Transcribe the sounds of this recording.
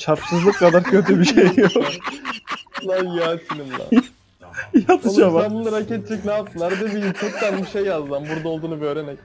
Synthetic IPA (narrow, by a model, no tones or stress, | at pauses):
t͡ʃʰaɾpsɯzlˠɯkʰːad̪aɾcʰø̞t̪̬ʰybiʃejːok | aɾjat͡ʃʰinɯmlˠa̰ | jat̪ʰɯʃamaambunˠaɾacʰɛt̪̚t͡ʃʰɛcnaːp̚sɯlˠaɾd̪ebiikʰøt̪d̪ænbiʃejːazd̪ambuɾd̪aolˠd̪uːnubø̞ːɾemɛc